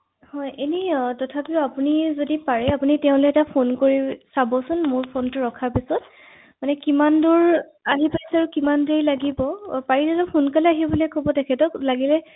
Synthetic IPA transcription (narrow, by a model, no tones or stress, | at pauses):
hɔjʔenitɔtʰapiʊapunizodipaɹɛapunitɛʊ̃loɛtapʰonkoɹisabɔsʊnmʊɹpʰontʊɹɔkʰaɹpisɔt | manɛkimandʊɹ | aɦipajsaɹukimandeɹilaɡibɔpaɹizazɔpʰunkalɛaɦibɔlɔjkɔbɔtɛkʰɛtɔklaɡilɛ